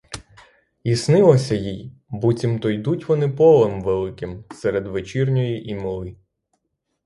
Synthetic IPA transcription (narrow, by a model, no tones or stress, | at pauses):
isnɪlˠɔsʲɐjijbutʲimt̪ɔjd̪utʲʋɔnɪpɔlˠɛmʋɛlˠɪkɪmsɛɾed̪ʋet͡ʃirnʲɔjiʔimɪlˠɪ